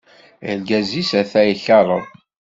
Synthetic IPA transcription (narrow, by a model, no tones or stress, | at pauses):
ənɡæzisæθæjɬɑɾˤəðˤ